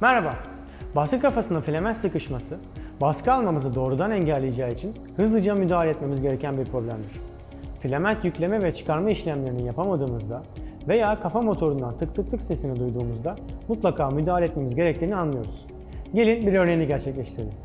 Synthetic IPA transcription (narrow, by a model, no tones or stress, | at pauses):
mɛɾhaba | baskɯkʰafasɯnafilʲe̞mænt̪sɯkɯʃmasɯ | baskɯalˠmamɯzɯd̪o̞ːɾud̪anɛɲɟælʲːejed͡ʒaːit͡ʃʰin | hɯzlˠɯd͡ʒamyd̪aːlʲeɛt̪me̞mizɟe̞ɾe̞cʰænbiɾpʰɾo̞blʲæmd̪iɾ̝̥ | filʲe̞mænt̪jycʲlʲe̞mɛvɛt͡ʃʰɯ̥kaɾmaiʃlʲæmlʲe̞ɾinijapʰamad̪ɯːmɯzd̪a | ve̞jaːkʰafamo̞t̪ʰo̞ɾund̪ant̪ʰɯkt̪ʰɯk̚t̪ʰɯkse̞sinid̪ujd̪uːmuzd̪amut̪lˠakʰaːmyd̪aːlʲeɛt̪̚me̞mizɟe̞ɾɛc̚t̪ʰiːnianlˠɯjo̞ɾuz̥ | ɟe̞lʲinbiɾø̞ɾnejiniɟæɾt͡ʃʰɛclʲɛʃt̪ʰiɾd̪ɪ